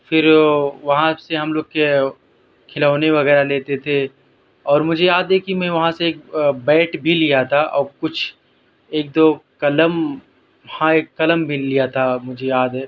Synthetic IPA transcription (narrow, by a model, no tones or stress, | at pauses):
fɪɾʋɐɦãseɦɐmloːɡ̚ke | kʰɪlaːʊneʋɐɣɛːɾaleːt̪et̪ʰe | ɔːɾmʊd͡ʒʱejaːd̪ɦɛkimɛ̃ːʋɐɦãseeːk̚bɛːʈbʱilijat̪ʰaʔɔːɾkʊt͡ʃʰ | eːk̚d̪oːkɐləm | hãeːkːɐləmbʱilijat̪ʰamʊd͡ʒʱejaːd̪ɦɛː